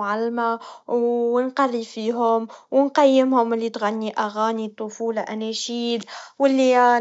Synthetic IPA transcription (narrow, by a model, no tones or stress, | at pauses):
ʕalːma | nqɑrːifiːɦʊmwnqajːɪmhʊmɪlːit̪ɣanːiʔaɣaːnit̪ˤːofuːlaʔænæʃiːlwɪlːi